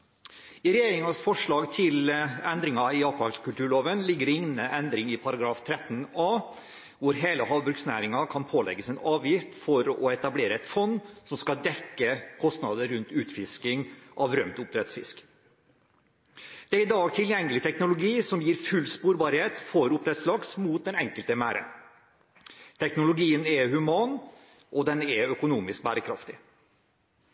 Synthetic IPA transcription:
ɪɾɛjeːɾɪŋɑsfɔʂɭɑːɡt̪ʰɪlɛnd̪ɾɪŋɑɪɑpɑskʉlʈ̪ʉːɭoːʋənlɪɡːəɾɪŋnəʔɛnd̪ɾɪŋɪpʰɑɾɑɡɾɑːft̪ʰɾɛt̪ːnɑː | ʋʊɾɦeːləɦɑːʋbɾʉɡksnæ̰ːɾɪŋɑkʰɑnpʰoːlɛ̰ɡəsɛnɑːʋjɪft̪fɔɾɔɛt̪ɑbleːɾəɛt̪fɔnːsɔmskɑld̪ɛkːəkʰɔst̪nɑd̪əɾʉnt̪ʉːt̪fɪskɪŋʔɑʋɾœmt̪ʊp̚d̪ɾɛt̪sfɪ̰sk | d̪̥ɛæɾɪd̪ɑːɡt̪ʰɪljɛŋːəlɪt̪ʰɛknʊlʊɡiːsɔmjiːɾfʉlspuːɾbɑɾheːt̪fɔɾʊp̚d̪ɾɛt̪slɑksmuːt̪̚d̪ɛnɛŋkəlt̪əmæːɾʔə̰ | t̪ʰɛknʊlʊɡiːənɛhʉmɑːn | ʔɔd̪ɛnɛœkʊnuːmɪsk̚bæːɾəkʰɾɑft̪ɪ

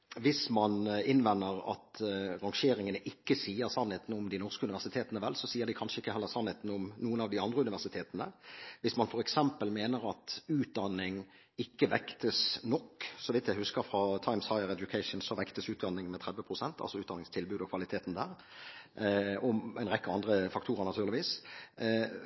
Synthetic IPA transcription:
ʋɪsmɑnɪnʋɛnːəɾɑ̰t̪ʁɑŋʃeːɾɪŋənəʔɪkːəsiːəʁsɑnheːt̪nʊmd̪ɪnɔʁskəʉnɪʋæʁsɪt̪ʰeːt̪ənəʋɛlːsɔsiːəɾd̪ɪkʰɑnʂəɪkːəhɛlːəʁsɑnhɛːt̪n̩ʊmnuːənɑʋd̪ɪɑnd̪ʁəʉnɪʋæʁsɪt̪ʰeːt̪ənə̰ʋɪsmɑnfɔɾɛksɛmpəlmeːnəɾɑt̪ʉːt̪̚d̪ɑnːɪŋ | ɪkːəʋɛkt̪əsnɔkːsɔʋɪt̪jæɪhʉskəɾfɾɑːt̪ʰɑɪmshɑɪəʁɛd̪jʊkʰæɪʂn̩sɔʋɛkt̪əsʉːt̪̚d̪ɑnːɪŋmɛt̪ʰʁɛd̪ʋəpʰʁʊsɛnt̪ʰɑ̰lsɔʉːt̪d̪ɑnɪŋst̪ʰɪlbʉːd̪ɔkʰʋɑlɪt̪ʰeːt̪n̩d̪æːʁ | ɔmɛɪnʁɛkːəɑnd̪ʁəfɑkt̪ʰuːɾəʁnɑt̪ʉːʁlɪʋiːs

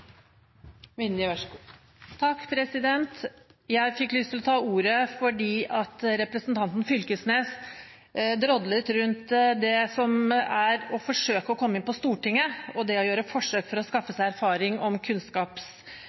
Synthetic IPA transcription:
ʋɪnəɑ | t̪ʰɑkːpʰɾɛsɪd̪ɛnt̪jæɪfɪkːlyːst̪ʰɪlɔt̪ʰɑːuːɾəfɔɖiːʔɑt̪ɾɛpɾəsnt̪ʰɑnt̪n̩fʏlkəsneːs | d̪ɾɔd̪lət̪ɾʉnt̪d̪ɛsɔmæɾɔfɔʂøːkəɔkʰɔmːəɪnpɔst̪uːʈɪŋːəɔd̪ɛɔjøːɾəfɔʂøːkfɔɾɔskɑfːəsæɪæɾfɑːɾɪŋɔmkʰʉnskɑːps

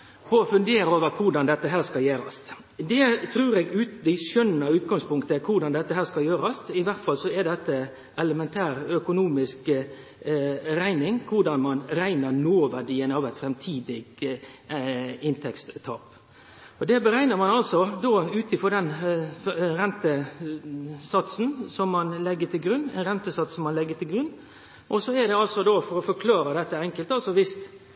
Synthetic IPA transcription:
ɔfʉnd̪eːɾəoːʋəɾkʰʊɾɖɑnd̪ɛt̪ːəɦæːɾskɑljæːɾɑst̪ | d̪ɛt̪ʰɾʉːɾɛːɡʉːt̪lɪʃœnəʉːt̪ɡɑŋspʰʊŋkt̪əkʰʊɾɖɑnd̪ɛt̪ːəhæːskɑljøːɾɑst̪ɪʋæɾt̪fɑlsɔɛd̪ɛt̪ːə | ʔɛləmɛnt̪ʰæːɾœkʊnuːmɪsk | ɾæɪnɪŋkʰʊɾɖɑnmɑnɾæɪnəɾnoːʋæɾɖiːənɑːʋæɪt̪fɾɛmt̪ʰiːd̪ɪɡ | ɪnt̪ʰɛkst̪t̪ʰɑːp | ɔd̪ɛbəɾæɪnəmɑnɑlsɔd̪oːʉːt̪ɪfɔd̪ɛn | ɾɛnt̪ə | sɑt̪sn̩sɔmːɑnlɛɡːət̪ʰɪlɡɾʉnːæ̰ɪnɾɛnt̪əsɑt̪sɔmːɑnlɛɡːət̪ʰɪlɡɾʉnː | ʔɔsɔæd̪ɛɑlsɔd̪ofɔɾɔfɔɾkʰlɑːɾəd̪ɛt̪ːəɛŋkəlt̪ɑlsɔʋɪst̪

